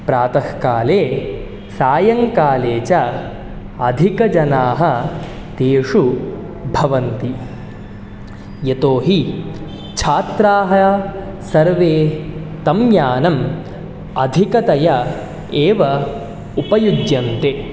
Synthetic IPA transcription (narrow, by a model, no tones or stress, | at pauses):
pɾaːt̪ɐhkaːleː | saːjɐŋkaːleːt͡ʃɐ | ɐd̪ʱikɐd͡ʒɐnaːɦɐ | t̪eːʂu | bʱɐʋɐnt̪i | jet̪oːɦi | t͡ʃʰaːt̪ɾaːɦɐ | sɐɾʋeːt̪ɐmjaːnɐm | ɐd̪ʱikɐt̪ɐjɐ | eːʋɐ | upɐjud͡ʒjɐnt̪e